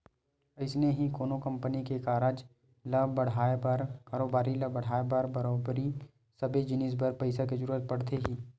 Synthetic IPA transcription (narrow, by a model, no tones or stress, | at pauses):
ɐɪsneɦikoːnokɐ̃mpənikekaːɾəd͡ʒ | lɐbɐɽ̤aːepɐɾkaːɾoːbaːɾilɐbɐɽ̤aːepɐɾbɐɾoːbɾi | sɐbed͡ʒɪnɪs̬bəɾpɐɪsaked͡ʒəɾuːɾət̪̚pɐɽt̪eɦiː